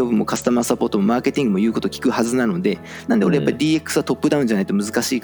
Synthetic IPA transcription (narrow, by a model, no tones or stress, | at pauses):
obɯ̟mːo̞̰kasɨ̥t̪amasapo̞ːt̪omo̞maːke̞t̪ʲĩŋɡɯ̟mo̞jɯ̟ːko̞t̪o̞kʲi̥kɯ̟hazɨnano̞d̪e̞ | nãnd̪eoɾe̞japːaɾʲid̪ʲiːe̞kːɯ̥sɨβat̪opːɯd̪aɯ̟̃ɲ̟d͡ʑanai̥t̪o̞mɯ̟zɨkaɕiːk